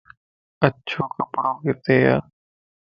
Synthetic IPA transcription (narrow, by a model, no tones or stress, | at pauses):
ətːʃʰokəpɽoket̪eːja̰ː